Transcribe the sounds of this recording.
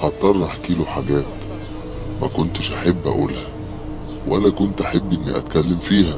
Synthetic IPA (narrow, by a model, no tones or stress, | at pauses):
hɑt̪ːɑrˤːɑħkiːluħaɡæːt̪ | mæ̰kont̪eʃʔaħebːʔæ̰ʔuːlhæ | wæ̰lːækont̪ʔaħabːʔenːḭʔæ̰t̪kælːemfiːhæ